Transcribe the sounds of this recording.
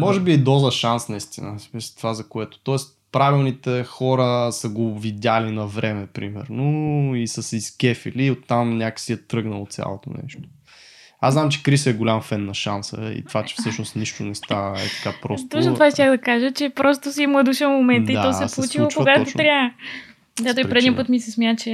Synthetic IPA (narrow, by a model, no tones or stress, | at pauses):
mɔʒɛbiɛd̪ɔzəʃansnɐist̪inəmist̪ovazɐkoɛt̪o̥t̪ɔɛst̪ | pɾavilˠnit̪ɛxɔɾəsəɡovid̪ʲalinɐvɾɛmɛpɾimɛ̰ɾnoisɐsiskʲɛfiliot̪ːamnʲakə̥siɛt̪ɾɤɡnəlˠot̪sʲja̰lˠot̪o̰nɛ̰ʃt̪o̥ | aznamt͡ʃɛ̥kɾisəɛɡolʲamfɛnːɐʃansə̰ḭt̪vat͡ʃɛ̥fsɤʃnost̪niʃt̪onɛst̪aɛ̰t̪ɐ̥kapɾɔstt̪ɔt͡ʃnot̪ovaʃt̪ʲaxd̪ɐkaʒət͡ʃɛpɾɔst̪osiɛmlˠəd̪uʃənmomɛntd̪əit̪ɔsɛspolˠut͡ʃiluokoɡat̪ot̪ɾʲa | ɡ̪at̪oipɾɛd̪ipɤt̪misɛsmʲjat͡ʃɛ